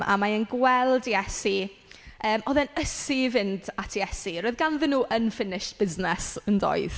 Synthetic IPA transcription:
ʔa̰maənɡwɛlˠdiɛsi | əːmɔðɛnəsivɪndatʰiɛsiɾɔːɨðɡanðɪnːuːʔənfɪnɪʃtb̥ɪznɛsəndɔ̰jð

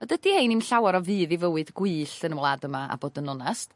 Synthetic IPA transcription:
ədəd̥ihejnimɬawaɾɔvɨːðivəwɨdɡwɨːɬənmlˠaːdəmaa̰boːdənɔnast

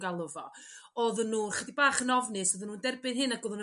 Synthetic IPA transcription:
ɡalˠʊvɔ | ɔðənːuːnχədibaːχənɔvnɨsɔðənuːndɛrbɨnɦɨnaɡɔðʊn

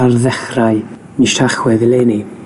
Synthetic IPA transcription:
arðɛχraj | niʃtʰaχwɛðɪleːni

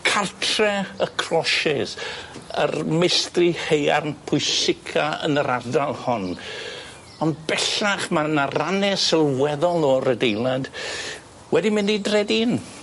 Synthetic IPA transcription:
kʰartʰrɛəkʰrɔʃɪsə̰rmɪstrɪhejarnpʰʊɨsɪkʰaə̰nəɾadalˠhʊn | ɔnbɛɬaχmanaranɛsɪlˠwɛðɔlˠɔrədejlˠad | wɛdimɪndidrɛdiːn

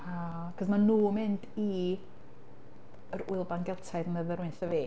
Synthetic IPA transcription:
a | kʰɔsmanuːmɪndi | əɾʊɨlˠbanɡɛlˠtʰaɨðəməðəɾʊɨnθaveː

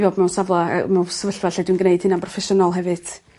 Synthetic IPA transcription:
vɔːbmɛwnsavlˠa̰mɛwsəvəɬvaɬɛdwinɡneɨd̥hɨnanpʰrɔfɛʃɔnalˠɦɛvɨd̥

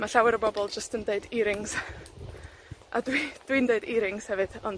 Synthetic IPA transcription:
maɬawɛɾəbɔbɔlˠd͡ʒəstəndeɨdiɾɪŋz̥ | a̰dwid̥windeɨdiɾɪŋz̥hɛvɨd̥ɔn

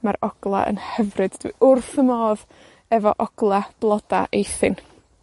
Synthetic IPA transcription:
maɾɔɡ̥lˠa̰ʔə̰nhɛvrɨd̥d̥wḭʔʊrθəmɔːð | ɛvɔʔɔɡ̥lˠab̥lˠɔda̰ʔejθɪn

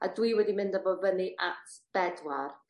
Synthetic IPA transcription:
a̰dwiwɛdimɪndabɔbəniʔatb̥ɛdwar

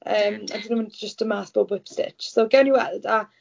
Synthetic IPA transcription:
ʔəːma̰dɪnə̃wəndd͡ʒəstəmaːθb̥oːbwɪpsɪ̰t͡ʃsoːɡɛwnjəwɛ̰lˠda

